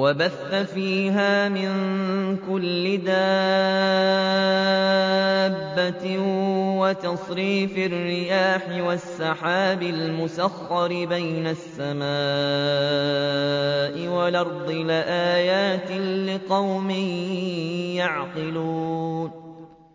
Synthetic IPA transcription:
wabaθːafiːɦaːmɪnkʊlːɪd̪a | bːa | wat̪ɑsˤɾiːfɪrːɪjaːħɪwasːɑħaːbɪlmʊsaxːɑɾɪbajnasːamaː | ʔɪwalɑɾˤd̪ˤɨlaʔaːjaːt̪ɪlɪqɑwmɪj | jaʕqɪluːn

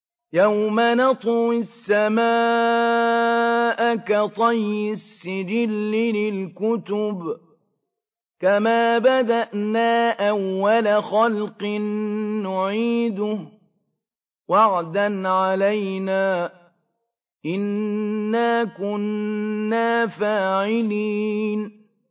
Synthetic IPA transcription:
jawmanɑt̪ˤwɪsːamaː | ʔakat̪ˤɑjːɪsːɪd͡ʒɪlːɪlɪlkʊt̪ʊb | kamaːbad̪aʔnaːʔawːalaxalqɨnːʊʕiːd̪ʊh | waʕd̪anʕalajnaː | ʔɪnːaːkʊnː | aːfaːʕɪliːn

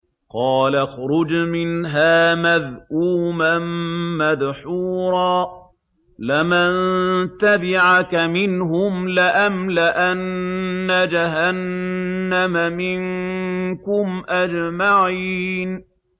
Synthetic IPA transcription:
qɑːlaxɾʊd͡ʒmɪnɦaːmaðʔuːmamːaðħuːɾˤɑː | lɪmant̪abɪʕakamɪnɦʊmlɪʔamlɪʔanːad͡ʒaɦanː | amamɪŋ | kʊmʔad͡ʒmaʕiːn

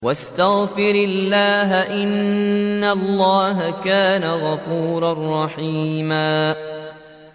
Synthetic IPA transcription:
wast̪aɣfɪɾɪlːaːɦaʔɪnnːalːɑːɦakaːnaɣɑfuːɾarˤːɑħiːmaː

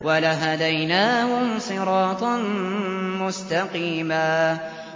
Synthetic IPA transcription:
walaɦad̪ajnaːhʊmsˤɨɾɑːt̪ˤɑnmʊst̪aqiːmaː

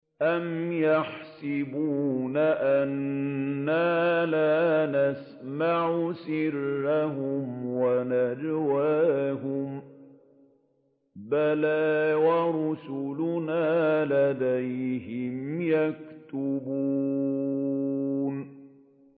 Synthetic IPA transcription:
ʔamjaħsɪbuːnaʔanː | aːlaːnas | maʕʊsɪrːaɦʊmwanad͡ʒwaːɦʊm | balaːwaɾʊsʊlʊnaːlad̪ajɦɪmjakt̪ʊbuː | n

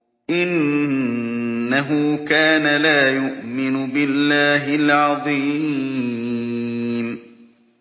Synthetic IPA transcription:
ʔɪn | aɦʊkaːnalaːjʊʔmɪnʊbɪlːaːɦɪlʕɑðˤi | m

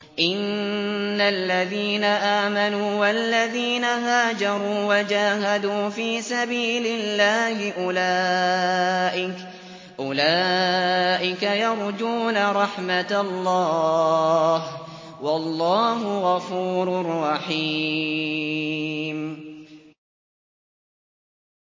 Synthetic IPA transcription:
ʔɪnː | alːaðiːnaʔaːmanuːwalːaðiːnaɦaːd͡ʒɑɾˤuːwad͡ʒaːɦad̪uːfiːsabiːlɪlːaːhɪʔʊla | ʔɪk | ʔʊlaː | ʔɪkajɑɾˤd͡ʒuːnaɾˤɑħmat̪alːɑː | h | wɑlːɑːɦʊɣɑfuːɾʊrˤːɑħi | m

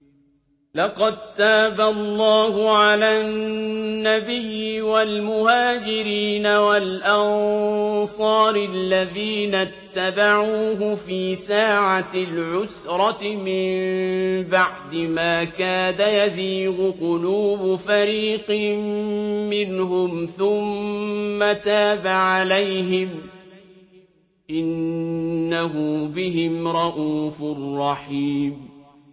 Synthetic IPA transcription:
lɑqɑd̪̚t̪aːbalˤːɑːhʊʕalaːnːabɪjːɪwalmʊhaːd͡ʒɪɾiːnawalʔɑnsˤɑːɾɪlːaðiːnat̪ːabaʕuuːɦʊfiːsaːʕalʕʊsɾˤɑt̪ɪmɪmbaʕd̪ɪmaːkaːdajaziːɣʊqʊluːbfaɾiːqɪː | ɪnɦʊmθʊmː | at̪aːbaʕalajɦɪm | ʔɪnː | aɦʊbɪɦɪmɾˤɑʔuːfʊrˤːɑħiːm

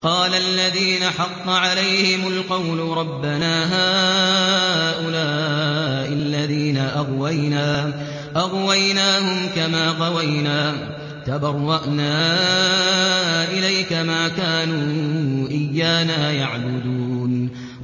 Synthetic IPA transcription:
qɑːlalːaðiːnaħɑqːɑʕalajhɪmʊlqɑwlʊɾˤɑbːanaːɦaː | ʔʊlaːʔɪlːaðiːnaʔɑɣwajnaː | ʔaɣwajnaːhʊmkamaːqɑwajnaː | t̪abɑrˤːɑʔnaː | ʔɪlajkamaːkaːnuːʔɪjːaːnaːjaʕbʊd̪uːn

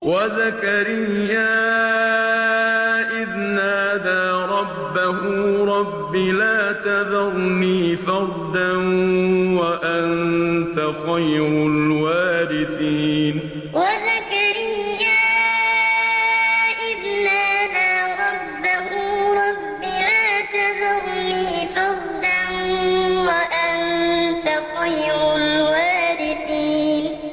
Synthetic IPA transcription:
wazakaɾɪjːaː | ʔɪðnaʔaðaːɾˤɑbːahʊɾˤɑbːilaːt̪aðɑɾˤniːfɑɾˤd̪anwaʔant̪axajɾʊlwaːbɪθiːn | waðakaɾijːaː | ʔɪbnaðaɾˤɑbːahuːɾˤɑbːɪlaːt̪aðɑnniːfɑɾˤd̪anwaʔant̪axɑjɾʊlwaːɾɪθiːn

